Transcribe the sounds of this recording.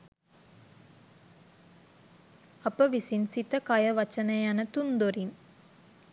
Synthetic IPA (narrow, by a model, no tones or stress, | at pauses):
ɐpəʋisinsit̪ɐkɐjɐʋɐt͡ʃɐnɐjanɐt̪und̪oɾin